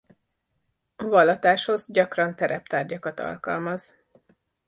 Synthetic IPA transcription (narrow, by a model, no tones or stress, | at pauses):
ɒvɒlːɒt̪aːʃhozɟɒkrɒnt̪ɛɾɛp̚t̪aːrɟɒkɒt̪ɒ̰lkɒ̰lmɒz̥